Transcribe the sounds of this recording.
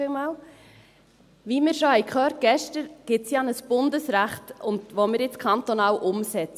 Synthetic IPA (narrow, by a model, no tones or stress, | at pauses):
ɪlmɑːl | ʋimɪːɾʃohɛɪkχœːɾt̚ɡ̥ɛʃtəɾɡ̥ɪtsjɑnəsb̥ʊndəsɾæχtʊndʋomɪːɾjɪt͡skʰχɑnt̪onɑːlʔʊmsɛt͡sə